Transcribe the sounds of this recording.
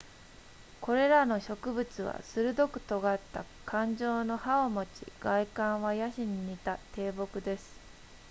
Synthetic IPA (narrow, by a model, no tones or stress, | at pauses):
kʰo̞ɾe̞ɾano̞ɕo̞kɯ̟bɯ̟t͡sɨβa̰sɨɾɯ̟d̪o̞kɯ̟̥t̪o̞ɡat̪ːa | kʰãɲ̟d͡ʑo̞ːno̞haomot͡ɕḭɡ̥aikãɰ̃βajaɕiɲ̟iɲit̪at̪ʰe̞ːbo̞kɯ̟d̪e̞sɨ̥